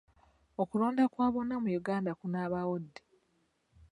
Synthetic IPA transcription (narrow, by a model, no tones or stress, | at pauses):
okulo̞ːndakwaːβo̞namujuɡaːndakunaːβawodːe